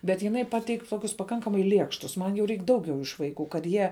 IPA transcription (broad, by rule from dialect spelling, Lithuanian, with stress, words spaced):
bʲɛt ˈjɪnɐɪ ˈpɑːtʲɛɪkʲ ˈtoːkʲʊs pɐˈkɐŋkɐmɐɪ ˈlʲiɛkʃtʊs mɐn jɛʊ ˈrʲɛɪk ˈdɐʊˌɡʲɛʊ ɪʃ ʋɐɪˈkuː kɐt ˈjiɛ